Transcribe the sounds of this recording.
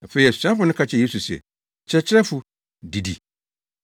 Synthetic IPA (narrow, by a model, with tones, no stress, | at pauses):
a˨fe˨i˨a˨su˨ɕã˦fʊ˨nʊ̃˦kʰa˦t͡ɕʰɛ˨je˦su˨sɛ̰˨ | t͡ɕʰɪ˦ɾɛ˦t͡ɕʰɪ˦ɾɛ˦fu˨ | di˨dḭ˨